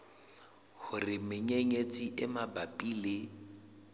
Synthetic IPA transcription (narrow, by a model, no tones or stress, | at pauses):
hʊrɪmɪɲeŋet͡sʼiʔɪmabapʼiːlɪ